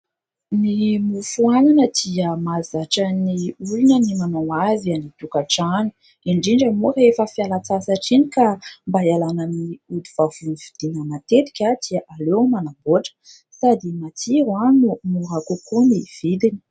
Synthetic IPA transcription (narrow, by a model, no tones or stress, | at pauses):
nimufuananəd̪̥iəmazaʈ͡ʂəniulunənimanawavanit̪ukaʈ͡ʂanu̥ | iɳɖ͡ʐiɳɖ͡ʐəmurefəfialat͡sasaʈ͡ʂinikambajalanəniud̪iv̥avunivid̪̥inənat̪et̪i̥kʲad̪̥iəʔalewmanaboʈ͡ʂə̥ | sad̪imat͡siɾanumuɦakukuniv̥id̪ini̥